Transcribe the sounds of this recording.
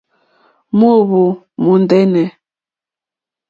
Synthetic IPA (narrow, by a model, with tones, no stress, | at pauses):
mo˦˨βu˨ | mu˨n˨dɛ˦nɛ˨